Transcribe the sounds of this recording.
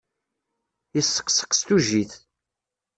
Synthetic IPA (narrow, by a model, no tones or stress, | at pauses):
jəsːə̥qsə̥qst̪uʒiθ